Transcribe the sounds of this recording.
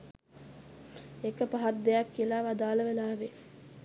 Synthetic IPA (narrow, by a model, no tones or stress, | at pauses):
ekəpaɦat̪d̪ejakːiəlaːʋad̪aːləʋelaːʋe